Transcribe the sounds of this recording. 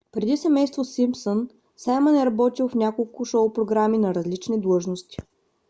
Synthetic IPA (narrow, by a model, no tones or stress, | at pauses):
pɾɛd̪isɛmɛjst̪vosimpson | samənɛɾɐbɔt̪ilˠfnʲakolˠkʊʃɔʊpɾoɡɾaminɐɾɐzlit͡ʃnid̪lˠɤʒnost̪i̥